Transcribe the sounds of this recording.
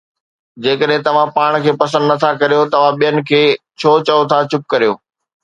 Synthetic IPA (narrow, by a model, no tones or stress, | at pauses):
d͡ʑeːkəɗɦɪ̃t̪ɐʋ̤ãpaːɽ̃kʰeːpɐsə̃nd̪nɐt̪ʰakɐɾijot̪ɐʋ̤ãɓijənɪ̆kʰeː | t͡ɕʰoːt͡ɕɐot̪ʰat͡ɕʊp̚kɐɾijo̰ː